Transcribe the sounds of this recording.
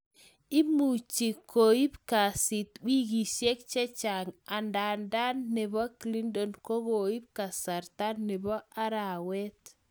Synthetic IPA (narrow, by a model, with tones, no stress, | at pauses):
i˦mu˨t͡ʃi˨kʰo˨i˦pka˨sɪ˨t̪wi˦ɡi˨ʃje˦k̚t͡ʃɛ˦t͡ʃa˨ŋa˨nda˨nda˦nːɛ˨bɔ˦kli˦ndɔ˦nko˦ɣo˨i˦b̚ka˨sa˨ɾt̪a˦nːɛ˨bɔ˦a˦ɾa˨wɛ˦t̪